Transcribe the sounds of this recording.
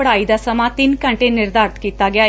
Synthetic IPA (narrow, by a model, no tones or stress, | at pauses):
əɽajd̪asəmat̪iːnkəɳʈenːiɾd̪aɾt̪kit̪aɡja